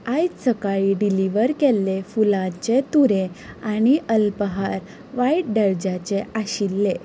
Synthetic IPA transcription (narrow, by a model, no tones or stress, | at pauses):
ajsəkaɭiɖiliʋəɾkɛlːefulãt͡ɕet̪uɾẽañiʔəlpəɦaɾ | ʋaiʈ̚ɖəɾd͡ʑat͡ɕeaɕilːe